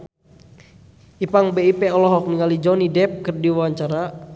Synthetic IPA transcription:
ipaŋbeipɛɔlɔɦɔk̚niŋalid͡ʒɔnidɛp̚kɨrdiwawaɲt͡ʃaɾa

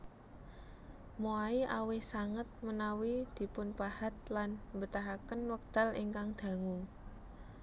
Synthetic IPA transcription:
moaiʔawɪhsaŋət̪̚mənawid̪̥i̤pʊnpahat̪̚lanmbət̪aɦakənwək̚d̪̥a̤liŋkaŋd̪̥ä̤ŋuŋ

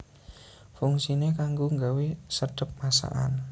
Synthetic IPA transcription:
fuŋsinekaŋɡoŋɡawesəd̥ə̤p̚ːasa̰ʔa̰n

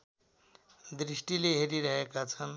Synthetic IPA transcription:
d̪ɾisʈileɦeɾiɾʌɦekat͡sʰʌn

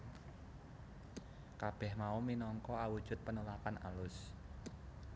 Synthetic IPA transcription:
kab̥ɛhmauminɔŋkɔawud̥ʒ̥ʊ̤t̪̚pənulakana̰lʊs

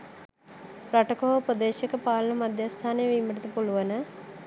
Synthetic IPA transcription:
praʈəkoɦəupəd̪eːʃəkəpaːlənəmad̪jast̪ʰaːnejəʋiməʈət̪əpuluʋənə

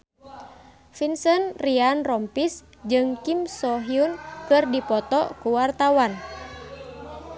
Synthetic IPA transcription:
finsənrianrɔmpis | d͡ʒɨŋkimsɔɦiunkɨrdipɔt̪ɔkuwart̪awan

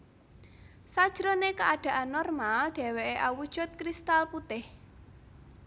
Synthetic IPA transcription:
sad̥ʒ̥ɾonekaʔaɖ̥ä̤ʔanːɔrmalɖ̥ɛ̤weʔeʔawud̥ʒ̥ʊt̪̚kɾist̪alput̪ɪh

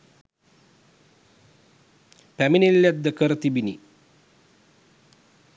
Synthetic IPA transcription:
pæminilːæd̪ːəkəɾət̪ibini

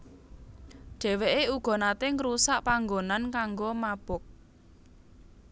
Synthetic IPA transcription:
ʒ̥ɛ̤weʔeuɡ̥ɔ̤nat̪eŋɾusaʔpaŋɡonankaŋɡomab̥ʊk̚

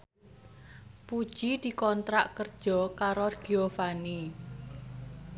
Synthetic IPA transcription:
pud̥ʒ̥id̪̥i̤kɔnt̪ɾaʔkərd̥ʒ̥ɔ̤kaɾɔrɡ̥iofani

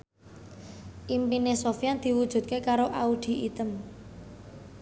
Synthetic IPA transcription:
ʔimpinesofjand̪̥i̤wud̥ʒ̥ṳt̪̚kekaɾoʔaud̪̥i̤ʔit̪əm

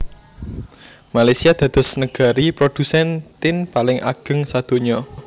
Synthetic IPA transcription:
malajsiad̪̥ä̤d̪̥ɔ̤snəɡ̥a̤ɾipɾod̪̥usɛnt̪ɪnpalɪŋʔa̰ɡ̥ə̤ŋsad̪̥o̤ɲɔ

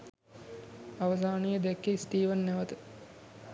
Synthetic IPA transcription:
aʋəs̬aːnejəd̪ekːesʈ̪iːʋənːæʋət̪ə

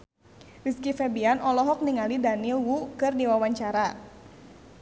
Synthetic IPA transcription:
riskifɛbianɔlɔɦɔk̚niŋalidanilwukɨrdiwawaɲt͡ʃaɾa

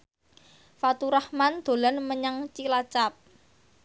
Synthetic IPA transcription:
fat̪uɾahmand̪̥o̤lanməɲaŋt͡ʃilat͡ʃap̚

